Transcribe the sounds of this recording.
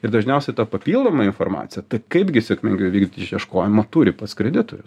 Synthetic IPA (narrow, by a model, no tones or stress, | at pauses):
ɪrd̪ɐʒʲnʲɛʊsʲɛɪt̪ɐpɐpʲiːlˠd̪oːmɐɪnformɑ̰ːt͡ssʲɪjɛt̪ɐɪkɐɪpɡʲɪsʲɛkmʲɪŋʲɡʲɛʊʋʲiːɡ̪d̪ʲit̪ʲɪʃjiɛʃkoːjɪmɐt̪uːɾʲɪpɐskɾʲɛd̪ʲɪt̪ojʲʊs